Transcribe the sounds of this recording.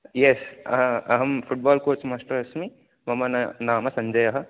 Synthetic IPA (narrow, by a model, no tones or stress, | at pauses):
jesɐɐɦɐmfuʈ̚baːlkoːɾt͡ʃmaːʂʈɐɾɐsmi | mɐmɐnnaːmɐsɐɲd͡ʒɐjɐɦɐ̆